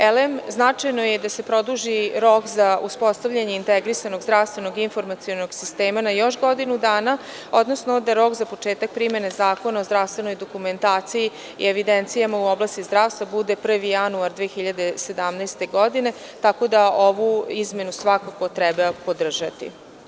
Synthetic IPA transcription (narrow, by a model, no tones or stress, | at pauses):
elemznat͡ʂajno̞jed̪ase̞pɾo̞d̪uʒiɾo̞kzauspo̞st̪aʋvʎaɲe̞int̪ɛɡɾisano̞ɡzd̪ɾaʋst̪ʋe̞no̞ɡinfo̞ɾmat̪sijo̞noɡsist̪eːmanajo̞ʃɡo̞d̪inud̪aːna | o̞d̪no̞snod̪aɾo̞kzapo̞t͡ʂe̞ːt̪ak̚pɾime̞nezaːko̞nao̞zd̪ɾaʋst̪vʋe̞no̞jd̪okume̞nt̪aːt̪siji | ḭeʋid̪ent̪sijamauoblast̪izd̪ɾaʋst̪vabud̪epr̩ʋijanuaɾd̪ʋeːexiʎad̪ese̞d̪amnɛjst̪e̞ɡo̞d̪ine̞ | t̪ako̞d̪aoʋuizme̞nusʋakako̞t̪ɾɛbapo̞d̪r̩ʒat̪ḭ